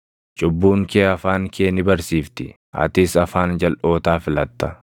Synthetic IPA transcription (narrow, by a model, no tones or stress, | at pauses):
t͡ʃʼʊbːuːŋkeːɐfaːŋkʰeːnɪbɐɾsiːft̪ɪ | ʔɐ̰t̪ɪsɐfaːnd͡ʒɐlʔo̞ːt̪aːfɪlɐt̪ːɐ̥